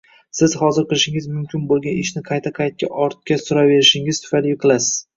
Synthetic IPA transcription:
sɪz̥hɒzɪɾqɨlˠʃɪŋɪzmʊmkʲʰɪnbolˠɡʲanɪʃnɪqʰɑjt̪ʰaqʰɑjt̪̚kʲʰaʔɒɾt̪̚kʲasʊɾave̞ɾɪʃɪŋɪz̥t̪ʰʊ̥falɡʲɪqʰɨlˠasɪ̥z̥

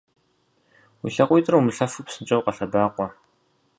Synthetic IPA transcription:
wḭɬɐqʷjtʼrɐwmɨɬɐfɨpsɨnt͡ʃʼɐwqɐɬɐdaːqʷɔ

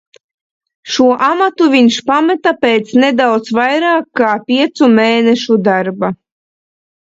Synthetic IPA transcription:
ʃuɔʔamat̪uvʲiɲʃpamɛt̪apeːt̪sned̪awt̪svajɾaːkːaːpʲiɛt̪sumeːneʃud̪aɾba

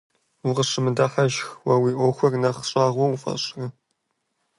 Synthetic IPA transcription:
wʊʁəɕɨmɨdaːħaʒxwɐwiːʔʷoxʷɐrnɐχɕʼaːʁʷoufɐ̰ɕʼrɐ

